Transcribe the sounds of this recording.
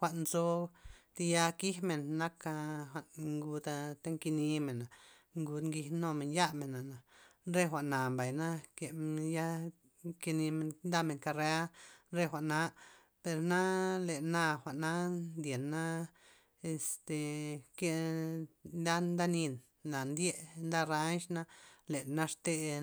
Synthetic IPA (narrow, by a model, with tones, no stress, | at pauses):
xʷa˧˨ʔnzo˦t̪i˧ja˧ki˦hme˨nːa˦ka˧xʷa˨ʔnŋɡu˧d̪a˧t̪e˦ŋki˧ni˧me˨na˨ | ŋɡu˧d̪ŋɡi˧hno˧me˨nja˦me˨na˨na˨ɾe˦xʷa˨ʔna˨mba˨jna˦ke˧ja˦ | ki˧ni˧me˧˨nnd̪a˦me˨ŋka˧ɾe˧˦a˦ɾe˦xʷa˨ʔna˦ʔ | pe˧ɾna˦le˨na˧xʷa˨ʔna˦nd̪je˨nːa˦ | e˧st̪e˨ke˧ | nd̪a˦nd̪a˦ni˧n | la˨nd̪je˦ʔnd̪a˦ɾa˦nʃna˧le˨na˦ʂt̪e˧